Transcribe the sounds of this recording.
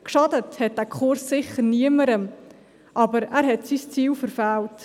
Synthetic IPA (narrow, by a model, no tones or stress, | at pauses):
kʃɑdəthɛt̚d̥æːkʰʊɾsːɪχəɾniəməɾəm | ʔɑbəɾæːɾɦɛtsist͡siːwfəɾfælt